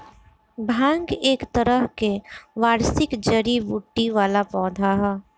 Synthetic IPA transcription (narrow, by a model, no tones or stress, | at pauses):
bʱãːŋɡeːkt̪əɾəɦkeʋaːɾsɪkd͡ʒəɾibuʈːiʋaːlapɔːd̪ʱaɦɛː